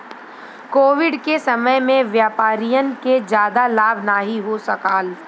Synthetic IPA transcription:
koːʋɪɖkesɐməjmẽʋjaːpaːɾijənked͡ʒjaːd̪alaːbnaːɦiɦosɐkaːl

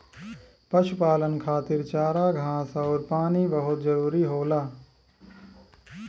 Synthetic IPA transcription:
pɐʃʊpaːlənkʰaːt̪ɪɾt͡ʃaːɾaːɡʱãːsaɔːɾpaːniːbɐɦʊt̪zɐɾuːɾiːɦoːlaː

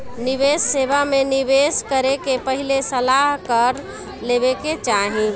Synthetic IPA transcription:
nɪʋesːeːʋamẽnɪʋeskəɾekepəɦilesəlaɦkəɾ | leːʋeket͡ʃaːɦĩ

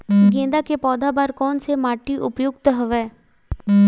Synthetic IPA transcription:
ɡẽːnd̪akepɔːd̪ʱabaːɾkɔːnsemaːʈiʔʊpjʊɡt̪ɦɐʋɛː

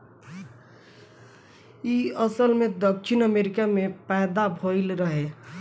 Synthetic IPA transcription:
iəsəlmed̪əkʃinəmeɾikamepɛɦd̪abʱoɪlɾəɦe

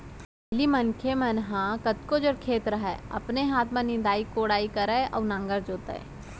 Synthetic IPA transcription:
limənkʰemənɦãkət̪kod͡ʒəɽkʰeːt̪ɾəɦɛɐ̰pneɦaːt̪ʰmẽnɪ̃nd̪aːikoːɽaːikəɾaʔɔ̰ːnãːŋɡəɾd͡ʒoːt̪ɛ̰ː

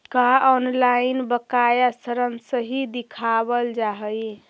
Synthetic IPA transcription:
kaɔnlainbəkajasəɾənsəɦid̪ikʰabəld͡ʒaɦəj

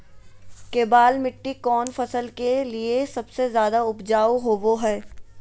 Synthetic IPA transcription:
keːbaːlmɪʈːikɔːnfɐsəlkeliesɐbsezjaːd̪aʊpd͡ʒaːoɦoːboɦɛː

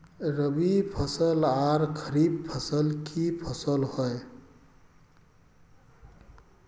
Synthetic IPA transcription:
ɾəbipʰəsəlaɾkʰəɾib̚pʰəsəlkʰipʰəsəlhɔe

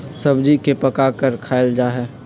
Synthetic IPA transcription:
sɐbd͡ʒikepɐkakəɾkʰaːɪld͡ʒaːɦɛː

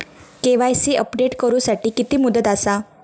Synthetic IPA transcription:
keʋajsiːʔəpɖeʈkəɾuːsaʈiːkit̪iːmud̪ət̪asa

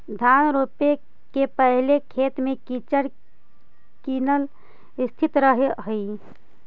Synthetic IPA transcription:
d̪ʱanɾope | kepəɦlekʰet̪mekit͡ʃəɾ | kinəl | ist̪ʰit̪ɾəɦeɦəj

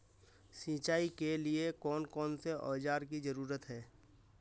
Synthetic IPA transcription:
sĩːt͡ʃaːikeliekɔːnkɔːnseʔɔːd͡ʒaːɾkizəɾuːɾət̪ɦɛː

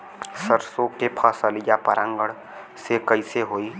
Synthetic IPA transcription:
səɾsokepʰəsəlijapəɾãːŋɡəɽ | sekəɪseɦoːi

